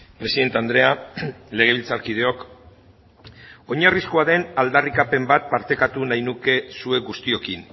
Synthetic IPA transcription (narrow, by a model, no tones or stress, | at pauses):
pɾe̞siðe̞nt̪eand̪ɾe̞ale̞ɣ̞e̞β̞ilt͡saɾkið̞e̞o̞k | o̞ɲariskoaðe̞nald̪arikape̞mbat̪̚paɾt̪e̞kat̪unajnuke̞sue̞ɡust̪io̞kin